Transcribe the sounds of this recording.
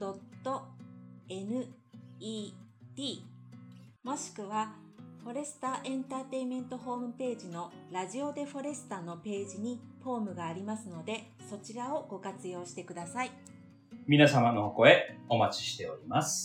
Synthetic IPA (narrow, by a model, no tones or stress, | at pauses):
d̪̥o̞t̪ːo̞ | e̞nɯ̟ː | t̪ʲiː | mo̞ɕi̥kɯ̟β̞aɸo̞ɾe̞sɨ̥t̪aʔẽ̞nt̪aːt̪e̞imẽ̞nt̪o̞ɦo̞ːmɯ̟pe̞ːʑino̞ɾaʑio̞d̪e̞ɸo̞ɾe̞sɨ̥t̪ano̞pe̞ːʑiɲ̟iɸo̞ːmɯ̟ɡaːɾʲimasɨno̞d̪e̞ | so̞t͡ɕiɾao̞ɡ̥o̞kat͡sɨjo̞ːɕi̥t̪e̞kɯ̟d̪asai | mʲinasamano̞hoko̞eo̞mat͡ɕi̥ɕi̥t̪e̞o̞ɾʲimasɨ̥